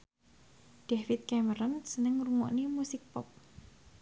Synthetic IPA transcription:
d̥ɛfɪt̪̚kɛməɾɔnsənəŋruŋɔ̰ʔnimusɪk̚pɔp̚

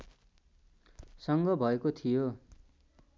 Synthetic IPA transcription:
sʌŋɡʌbʱʌekot̪ʰijo

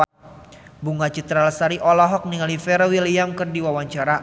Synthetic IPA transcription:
buŋat͡ʃit̪ɾalsaɾiʔɔlɔɦɔk̚niŋalifɛɾwilijamkərdiwawaɲt͡ʃaɾa

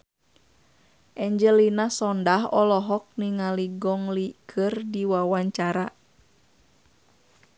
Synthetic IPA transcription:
ʔɛɲd͡ʒɛlinasɔndaɦɔlɔɦɔk̚niŋaliɡɔŋlikʰɨrdiwawaɲt͡ʃaɾa

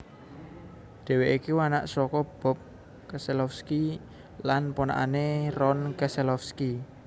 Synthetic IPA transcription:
ɖ̪̥e̤weʔikiwana̰ʔsɔkɔb̥ɔ̤p̚ | kɛsɛlɔfski | lanpona̰ʔanerɔnkɛsɛlɔfski

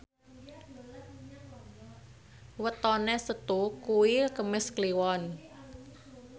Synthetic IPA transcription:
wət̪ɔnesət̪ukuwikəmɪskliwɔn

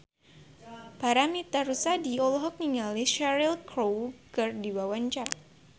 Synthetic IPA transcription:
paɾamit̪aɾusadiɔlɔɦɔk̚niŋaliʃaɾilkɾowkɨrdiwawaɲt͡ʃar

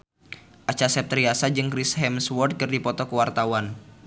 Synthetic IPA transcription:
ʔat͡ʃasɛp̚t̪ɾiasad͡ʒɨŋkɾisɦɛmswɔrd̪̚kɨrdipɔt̪ɔkəwart̪awan

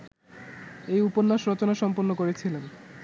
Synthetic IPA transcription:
ejuponːaʃɾɔt͡ɕonaʃɔmponːokoɾet͡ɕʰilen

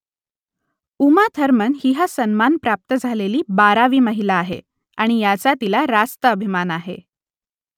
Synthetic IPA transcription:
umat̪ʰəɾmənɦiɦasənmanpɾap̚t̪əd͡zʱaleliːbaɾaʋiːməɦilaːɦḛ | aɽ̃ijat͡sat̪ilaɾast̪əəbʱimanaɦḛ

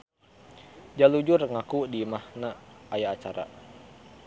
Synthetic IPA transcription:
d͡ʒalud͡ʒʊrŋakudimahnaːjaːt͡ʃaɾa̰

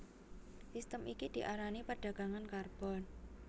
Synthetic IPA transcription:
sist̪əmikid̪̥i̤ʔaɾanipəɖ̥ä̤ɡ̥a̤ŋankarb̥ɔ̤n

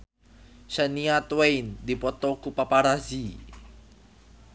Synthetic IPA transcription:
ʃaniat̪wejnd̪ipɔt̪ɔkupapaɾazi

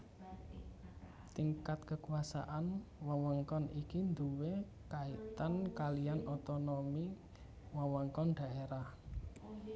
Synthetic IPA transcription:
t̪iŋkat̪̚kəkuasa̰ʔanwawɔŋkɔnikind̪uwe | kait̪ankalijanɔt̪ɔnomi | wawɔŋkɔnɖ̥a̤ʔeɾah

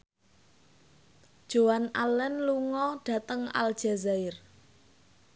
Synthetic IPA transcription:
d̥ʒ̥owanalɛnluŋɔɖ̥a̤t̪əŋa̰l̥ʒ̥azaɪr

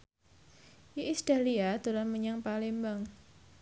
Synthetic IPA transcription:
ʔiisdaliad̪uɾanməɲaŋpalembaŋ

